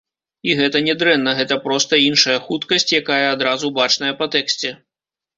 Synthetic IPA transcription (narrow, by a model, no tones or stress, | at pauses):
iɣɛt̪ɐnʲɛd̪ɾɛnːɐɣɛt̪ɐpɾɔst̪ɐinʂɐjɐxut̪kɐsʲt͡sʲjakajɐːd̪ɾazubat͡ʂnɐjɐpɐt̪ɛksʲt͡sʲɛ